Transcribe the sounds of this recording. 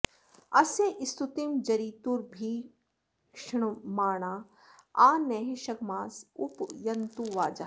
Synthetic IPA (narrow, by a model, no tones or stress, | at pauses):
ɐseʔɪst̪ut̪imd͡ʒɐɾiːt̪uɾbʱiː | kʃɳmaːɳ̃aː | aːnɛːɦeʃɐɡmaːsʊpjɐnt̪uʋaːd͡ʒa